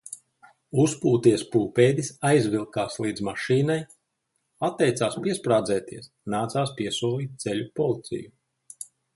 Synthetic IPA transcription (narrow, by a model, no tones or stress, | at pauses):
uspuːt̪iɛspuːpeːd̪isajzvilˠkaːslˠiːd̪zmaʃiːnaj | at̪ːɛjt̪saːspiɛspɾaːd̪zɛːt̪iɛs | naːt̪saːspiɛsuɔlˠiːt̪̚t̪sɛʎʲupɔlˠit̪sḭju